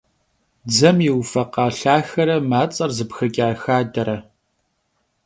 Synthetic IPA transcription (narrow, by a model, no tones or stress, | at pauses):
d͡zɐmjɪwfɐqɑːɬaːxɐɾɐmaːt͡sʼɐrzɨpxɐkʲʼaːxaːdɐɾɐ